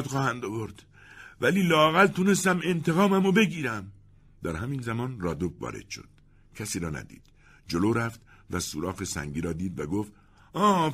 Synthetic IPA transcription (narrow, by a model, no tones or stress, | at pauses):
d̪xɒːhænd̪ovoɾd̪̥ | væliːlɒːæɣælt̪ʰune̞st̪æme̞nt̪ʰe̞ɣɒːmæmobe̞ɡiːɾæm | d̪̥æɾhæmiːnzæmɒːnrɒːd̪obvɒ̰ːɾḛd̪̥ʃo̰d̪̥̚ | cʰæsiːɾɒːnæ̰d̪ḭːd̪̥ | d͡ʒo̞loːɾæft̪væsuɾɒːɣesæ̰ŋɟiːɾɒːd̪iːd̪væɡoft̪ | ɒː